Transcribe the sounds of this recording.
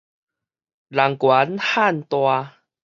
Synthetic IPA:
la˨˩ŋkwa˨˦nha˥˨nt̪wa˧

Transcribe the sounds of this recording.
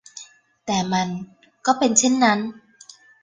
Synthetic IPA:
t̪ɛː˨˩ma˧n | kɔː˥˩pe˧nt͡ɕʰe˦˥˨nːa˦˥n

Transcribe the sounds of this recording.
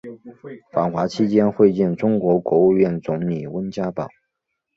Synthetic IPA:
fa˨˩nxwa˧˥t͡ɕʰi˥t͡ɕjɛ˥nxwe˥˧ɪt͡ɕjɛ˥˩nʈ͡ʂʊ˥ŋkwɔ˧˥kwɔ˧˥u˥˧ɥɛ˥˩nt͡sʊ˧˥ŋli˨˩wə˥nt͡ɕja˥pɑ˨˩ʊ

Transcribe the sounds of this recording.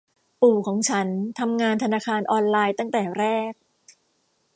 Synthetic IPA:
puː˨˩kʰɔː˩˦ŋt͡ɕʰa˦˥nt̪ʰa˧mŋaː˧nt̪ʰa˧naː˧kʰaː˧nʔɔː˧nlaː˧jt̪a˥˩ŋt̪ɛː˨˩ɾɛː˥˩k̚

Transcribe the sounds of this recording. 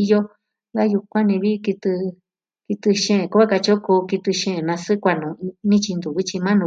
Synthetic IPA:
i˧jo˦ | ɡa˦ju˧kʷã˦nĩ˧βi˦˧ki˧t̪ɨ˧ | ki˧t̪ɨ˧ʃẽ˦˨ku˦βa˦ka˧t͡ʃo˦ku˧ki˧t̪ɨ˧ʃẽ˦˨nã˧sɨ˦kʷa˧nũ˨nĩ˦t͡ʃi˧nd̪u˨βi˦t͡ʃi˧mã˦nũ˧˨

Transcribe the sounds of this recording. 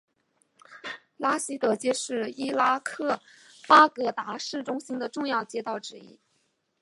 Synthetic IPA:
la˥ɕi˥t̪ɤ˧˥t͡ɕjɛ˥ʂɻ̩˥˩i˥la˥kʰɤ˥˩ | pa˥kɤ˧˥t̪a˧˥ʂɻ̩˥˩ʈ͡ʂʊ˥ŋɕi˥ŋd̪ə˨ʈ͡ʂʊ˥˧ŋjɑ˥˩ʊt͡ɕjɛ˥t̪ɑ˥˩ʊʈ͡ʂɻ̩˧˩ḭ˥

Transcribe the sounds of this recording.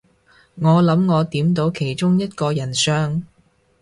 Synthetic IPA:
ŋɔː˨˧lɐ˨˧˥mŋɔː˨˧t̪iː˨˥mt̪̬o˨˥wkʰe˨˩jt͡ʃʊ˥ŋjɐ˥t̚kɔː˧jɐ˨˩nsœː˥ŋ

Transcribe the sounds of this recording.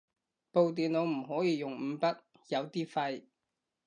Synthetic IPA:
po˨wt̪̬iː˨nlo˨˧wm̩˨˩ɦɔː˨˥jiː˨˧jʊ˨˩ŋm̩˨˧pɐ˥t̚ | jɐ˨˧wt̪iː˥fɐ˧j

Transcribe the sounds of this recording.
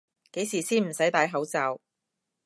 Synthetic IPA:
ke˨˥jsiː˨˩siː˥nm̩˨˩sɐ˨˥jt̪aː˨˥jɦɐ˨˥wt͡saː˨˧w

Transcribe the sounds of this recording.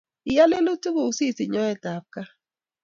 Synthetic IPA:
ɪ˨ja˦le˦lo˦tu˦ɡo˨u˨si˦˨si˨ɲɔ˦ɛ˦ta˨p̚ka˦

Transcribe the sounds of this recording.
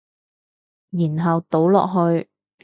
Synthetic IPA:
jiː˨˩nɦɐ˨wt̪o˨˥wlɔ̰ː˨k̚ɦɵ˧ɥ

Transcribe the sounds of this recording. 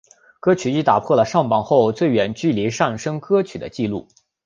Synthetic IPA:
kɤ˥t͡ɕʰy˨˩i˥t̪a˨˩pʰwɔ˥˩lə˩ʂɑ˥˩ŋpɑ˨˩ŋxo˥˧ʊt͡swe˥˩ɪɥɛ˨˩nt͡ɕy˥˩li˧˥ʂa˥˩ŋʂɤ˥ŋkɤ˥t͡ɕʰy˨˩d̪ə̰˦t͡ɕi˥˧lṵ˥˩

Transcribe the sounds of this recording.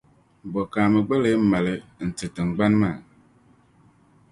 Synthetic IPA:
bɔ˨kaː˨mɨ˨ɡ͡be˦le˦m̩˦ma˨lɨ˦n̩˨tɨ˨tɨ˨ŋ͡m̩˨ɡ͡ba˦nmaː˨

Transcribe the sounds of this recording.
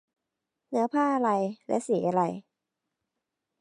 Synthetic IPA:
nɯ˦ɐpʰaː˥˩ʔa˧ɾa˧jlɛ̰˦˥ʔsiː˨˩˦ʔa˧ɾa˧j

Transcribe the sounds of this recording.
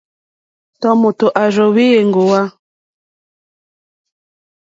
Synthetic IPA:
tɔ˦mu˨tu˨ʔa˨ʒɔ˨βi˦je˨ŋɡu˨wa˦

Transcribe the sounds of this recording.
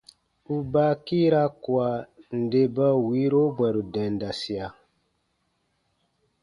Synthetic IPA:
u˨ba˦ki˦ɾa˦ku˨a˨n̩˨de˨bə˦wi˨˦ɾo˦bwɛ˨ɾu˨dɛ̃˨n˨da˨si˨a˨

